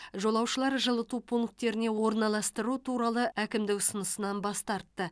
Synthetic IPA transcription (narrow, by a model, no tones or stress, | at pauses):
ʒo̞lˠɑwʃəlˠɑɾʒəlˠət̪upʰuŋk̚t̪ːe̞ɾɪne̞wo̞ɾnɑlˠɑst̪əɾut̪ʰuɾɑlˠəʔækʲɪmd̪ɪkʊsənəsənɑnbɑst̪ɑɾt̪ːə